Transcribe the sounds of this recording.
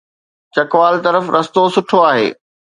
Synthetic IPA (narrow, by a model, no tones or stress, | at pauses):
t͡ɕɐkʋaːlt̪ɐɾəfɾɐst̪osʊʈʰoaːɦḛː